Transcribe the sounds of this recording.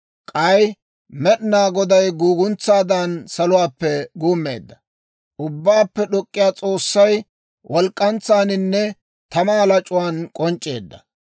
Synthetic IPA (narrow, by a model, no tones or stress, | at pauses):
kʼɐj | mɛɗɪnaːɡɔd̪ɐjɡuːɡʊnt͡sːaːd̪ansɐlʊwaːpːɛɡuːmːḛːd̪ːɐ̥ | ʊbːaːpːɛɗɔkʼːɪjaːt͡sʼo̞ːsːɐj | wʔɔlkʼːɐnt͡sːaːnɪnːɛ | t̪ɐmaːlɐt͡ʃʼʊwaːnkʼɔnt͡ʃʼːe̞ːd̪ːɐ̥